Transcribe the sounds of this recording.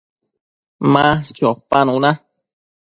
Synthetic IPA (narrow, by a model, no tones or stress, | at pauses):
mãt͡ʃopanũnã